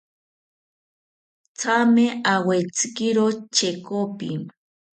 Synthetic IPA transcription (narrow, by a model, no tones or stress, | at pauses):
t͡sameawet͡skɪɾot͡ʃekopɪm